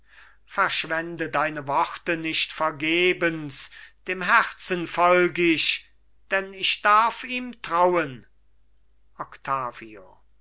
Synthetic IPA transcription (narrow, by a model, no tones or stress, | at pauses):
fɛɐʃv̥ɛndədaɪnəvɔχtənɪʃtfɛɐɡeːbənsd̥eːmɦæʁsənfɔlɡəɪɕ | d̥ɛnɪʃd̥aʁfiːmtʁ̥awən | ɔkt̪ʰaːvio̰